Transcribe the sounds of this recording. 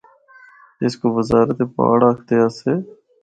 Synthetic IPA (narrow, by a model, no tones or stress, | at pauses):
ɪskoːʋəzaːɾət̪eːpa̰ːɽaːkʰt̪eːaːseː